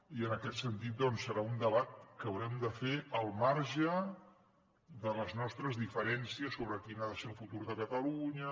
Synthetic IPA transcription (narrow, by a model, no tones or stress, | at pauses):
iənəkɛt̪sənt̪it̪̚d̪ɔnsəɾaund̪əβat̪̚kəwɾɛmd̪əfeəlˠmaɾʒə | ðələznɔst̪ɾəzðifəɾɛnsiəsːoβɾəkinaðəselˠfut̪uɾðəkət̪əluɲə